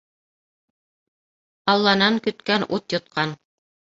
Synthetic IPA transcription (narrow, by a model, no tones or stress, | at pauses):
ɑlˠːɑnɑŋkɵ̆t̪kænʔut̪jŏt̪̚qʰɑn